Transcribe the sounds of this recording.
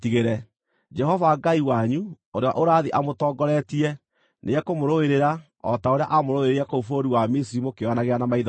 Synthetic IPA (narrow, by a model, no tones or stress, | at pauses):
tiɣeɾɛ | d͡ʒɛɦɔvaɡaiwaɲu | oɾewa̰ʔoɾaːðiʔamotɔːɡɔɾɛtiɛ | nʔḛɛkomoɾoeɾeɾa | ɔ̰taoɾea̰ʔamoɾoeɾeɛkoufoɾiwamisiɾimokeanaɣeanamaiða